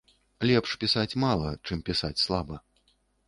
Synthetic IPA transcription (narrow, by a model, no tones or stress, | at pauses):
lʲɛpʂpʲisat͡sʲmalˠɐt͡ʂɨmpʲisat͡sʲslˠabɐ